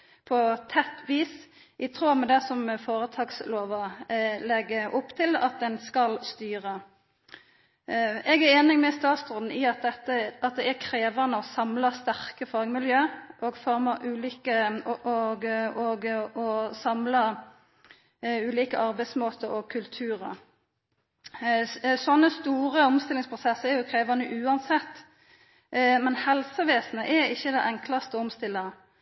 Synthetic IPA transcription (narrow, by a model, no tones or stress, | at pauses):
pʰɔt̪ʰɛt̪ːʋiːs | ʔɪt̪ʰʁuːmɛd̪ɛsɔmfoːɾət̪ʰɑːɡsloːʋɑlɛɡːəʔʊpːt̪ʰɪlɑ̰t̪̚d̪ɛnskɑlst̪yːʁə | ɛɡæɾeːnɪŋmɛst̪ɑːt̪sd̪ʁɔnn̩ɪɑt̪̚ɛt̪ːəɑt̪̚d̪ɛækʰɾeːʋɑnəɔsɑmlɑst̪æʁkəfɑːɡmɪljøːʔoːɡfɔʁmɑʔʉːliːkəɔɡɔɡɔsɑmlɑ | ʉːliːkəʔɑʁbæɪsmoːt̪ʰəɾɔkʰʉlt̪ʰʉːʁə | sɔnːəst̪uːʁəɔmst̪ɪlɪŋspʰʁʊsɛsəɛæʁjʊkʰʁeːʋɑnəʔʉːɑnsɛt̪ː | mɛnhɛlsəʋeːsnəʔɛɾɪçːəd̪ɛʔɛŋklɑst̪əɔmst̪ɪlːə